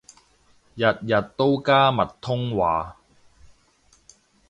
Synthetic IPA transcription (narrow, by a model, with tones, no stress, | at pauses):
jɐ˨t̚jɐ˨t̚t̪o˥wkaː˥mɐ˨t̚t̪ʰːʊ˥ŋwaː˨˧